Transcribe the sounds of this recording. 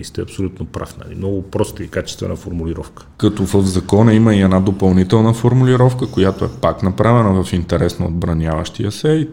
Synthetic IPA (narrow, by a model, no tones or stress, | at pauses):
ist̪ɛɐpsolʲut̪nopɾa̰fnɐ̰lḭmnɔɡʊpɾɔst̪əikat͡ʃɛ̥st̪vɛ̰nəfoɾmuliɾɔfkə̥kɐt̪ɔvəvzɐkɔnɐiməiɛnad̪opɐlˠnit̪ɛlˠnəfoɾmuliɾɔfkəkojat̪oɛpaknɐpɾavɛnəvɐfint̪ɛɾɛsnɐo̰d̪̚bɾɐnʲjavə̰ʃt̪iəsɛ